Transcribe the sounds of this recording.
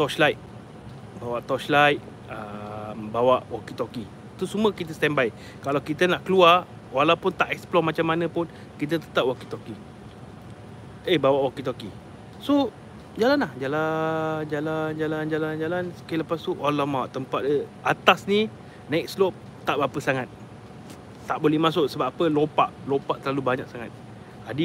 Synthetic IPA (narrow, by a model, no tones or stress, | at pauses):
t̪ɔt͡ʃlajt̪̚ | bawaʔt̪ɔʃlajt̪̚ | əmbawaʔwakit̪oki | t̪usuməkit̪̬əst̪ɛnbaj | kalawkit̪ənaʔkəluar | walawpʊnt̪aʔɛksplɔmat͡ʃamːanə̃pʊn | kit̪̬ət̪ət̪ap̚wakit̪ɔki | ebawaʔwakit̪oki | so | d͡ʒalanlahd͡ʒaland͡ʒaland͡ʒaland͡ʒaland͡ʒalansə̥kaləpast̪uʔalamaʔt̪əmpat̪̚əat̪asni | nɛk̚slop̚ | t̪aʔbapəsaŋat̪̚ | t̪aʔbolɛhmãs̬ʊʔsəbapəlopaʔlopaʔt̪ərlalubaɲak̚saŋat̪̚ | adi